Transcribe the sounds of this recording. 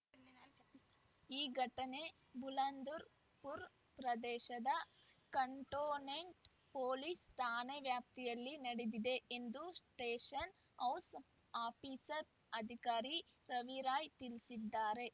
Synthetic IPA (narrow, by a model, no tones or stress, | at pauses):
iːɡʱɐʈɐne̞ | bʱulɐnd̪uɾ | puɾ | pɾɐd̪ɛːʃɐd̪ɐ | kɐɳʈoːneɳʈ | poːlisʈ̪aːneʋjaːp̚t̪ijɐlːinɐɽed̪id̪e̞end̪usʈeːʃɐn | ɐws | aːpʰisɐɾ | ɐd̪ʱikaːɾi | ɾɐʋiɾaːjt̪ilsid̪ːaːɾe̞